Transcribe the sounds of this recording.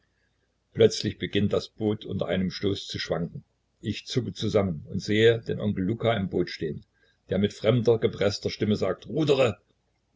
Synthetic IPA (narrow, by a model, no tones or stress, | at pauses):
plœt͡slɪçb̥əɡɪnt̚d̥asb̥oːtʰʔʊntɐ̰ʔa̰ɪnəmʃtoːst͡suʃv̥aŋkŋ̩ | ʔɪçt͡sʊkət͡suzamənʊntz̥eːəd̥eːnʔɔ̰ŋkl̩ːukaɪmboːtʃteːən | d̥eːɐmɪtfʁ̥ɛmdɐɡəpʁ̥ɛstɐʃtɪməzaːk̚tʁuːdəʁə